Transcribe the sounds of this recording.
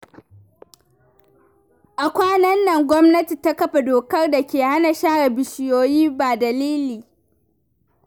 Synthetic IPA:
ʔa˨kʷaː˦nɐ˦nːɐ˨ŋɡʷɔ˦mnɐ˦ti˨ta˦kɐ˦ɸa˨doː˨kɐ˦rda˨kʲeː˨ha˦na˨ʃaː˦ɽa˨bɪ˨ʃɪ˨joː˨jiː˦baː˨dɐ˨liː˦liː˨

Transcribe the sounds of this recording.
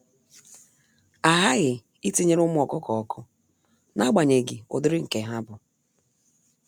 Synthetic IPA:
a˨ɦa˦ɣɪ˨ | i˦ti˦ɲe˦ɾʊ˦mʊ˦ɔ˨kʊ˦kɔ˨ɔ˨kʰʊ˦ | na˦ɡ͡ba˨ɲe˨ɡi˨ʊ̰˨dʊ˦ɾɪ˦ŋ̩˨ke˨ɦa˦bʊ˨

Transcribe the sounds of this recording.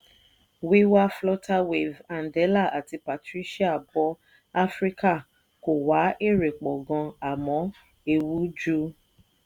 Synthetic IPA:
wi˦wa˦flɔ˦ta˦we˨va˨n̩˨dɛ˨˦la˦˨a˨ti˧pa˨tɾi˦ʃi˦a˦˨bɔ˧˦ | a˦fɾi˦ka˦˨ | ko˨wa˨˦ʔe˦˨ɾe˨k͡pɔ˨ɡɔ̃˧a˨mɔ̃˨˦ | e˧wu˨˦d͡ʒu˦

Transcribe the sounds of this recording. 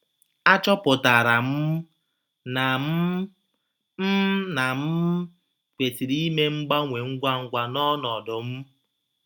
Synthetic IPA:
a˦t͡ʃɔ˦pʊ˨ta˨ɾa˨m̩˦ | na˨m̩˦ | m̩˦na˨m̩˦ | kʷe˨ti˨ɾi˦me˦ŋ͡m̩˦ɡ͡ba˦ŋʷe˨ŋ̩˦ɡʷa˦ŋ̩˦˨ɡʷa˨nɔ˦nɔ˨dʊ˨m̩˦

